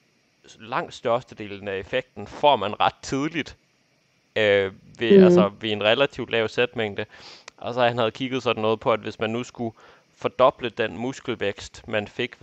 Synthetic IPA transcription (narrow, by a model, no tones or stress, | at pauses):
lɑ̈ŋ̰d̥sd̥ɶɐsd̥əd̥e̝̰ːln̩æe̝feɡ̥̚d̥n̩fɒmænʁɑ̈d̥̚t͡sʰið̞ˠlid̥ | ø | ʋe̝ælsəʋe̝e̝nʁɛlæt͡sʰiʊ̥lɛʊsed̥meŋ̰d̥əʔɒ̽sɒ̽hænhæð̞̩ˠkʰiɡ̥ð̞̩ˠsɒ̽d̥n̩ːɔ̽ːð̩ˠpʰɒ̽ædʋe̝smænːusɡ̥u | fɒ̽d̥ɒ̽b̥ləd̥enmusɡ̥l̩ʋeɡ̥sd̥mænfe̝ɡ̥